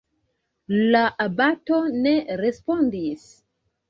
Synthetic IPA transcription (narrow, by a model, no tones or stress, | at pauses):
laʔabato̞ne̞ɾespo̞ndis